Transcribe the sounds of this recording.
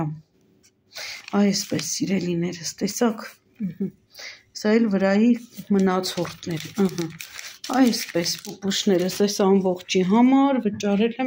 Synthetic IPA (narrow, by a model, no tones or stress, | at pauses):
ɑjɛspɛsːiɾɛlinɛɾəst̪ɛsɑk̩ | h̩ | sɑɛlvəɾɑjimənɑt͡sʰɔɾt̪ʰnɛɾəɦəɑjɛspɛspupuʃnɛɾəsɛsɑmbɔχt͡ʃʰiɦɑmɑɾvət͡ʃɑɾɛlɛ